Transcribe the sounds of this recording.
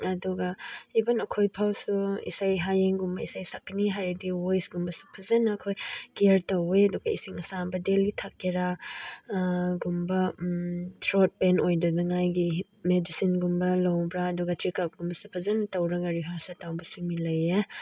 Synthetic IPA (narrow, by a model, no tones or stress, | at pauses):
ɐduɡɐibɐnɐkʰojpʰawsuḭsajɦajeŋɡumbɐisajsakːɐniɦaɾediwojsɡumbɐsu̥pʰɐzɐnɐːkʰojkeɾtɐweɐduɡɐisiŋɐsabɐdelitʰakeɾa | ɡumbɐ | tʰɾot̚penojdɐdɐŋajɡi | medisinɡumbɐlɐwbɾaːduɡɐtɾikap̚ɡumbɐsupʰɐzɐnɐtɐwɾɐɡɐɾiɦaɾsɐtawbɐsumilɐje